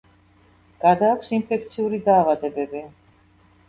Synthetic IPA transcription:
ɡ̥ad̪aːkʰʷsimpʰɛkʰt̪sʰiuɾid̪aːvad̪ɛbɛbi

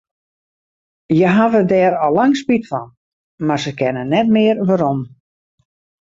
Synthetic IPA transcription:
jəɦavədɛːɾɔlaŋspitfɔn | marsəkɛnənɛtmɪərʋaɾom

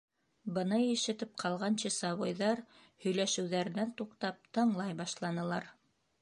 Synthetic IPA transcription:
bɤ̆nɤjɘ̆ʃɘ̆t̪ɘp̚qʰɑlˠʁɑnɕɘsɑβojðɑɾ | hɵ̆jlæʃɘ̆wðæɾnænt̪uqt̪ɑp̚t̪ɤ̆ɴlˠɑjbɑʃlˠɑnɤ̆lˠɑɾ

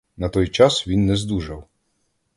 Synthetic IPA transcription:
nɐt̪ɔjt͡ʃɑsʋʲinːɛzd̪uʒɐw

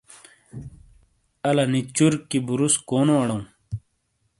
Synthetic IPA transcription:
ɐlɐnit͡ɕuɾkːibuɾuskoːnoɐɽõ

